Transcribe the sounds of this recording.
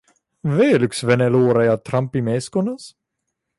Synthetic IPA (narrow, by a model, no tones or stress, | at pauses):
vɛːlʉksvɛnɛloːɾajat̪ʰɾampːimɛskɔnas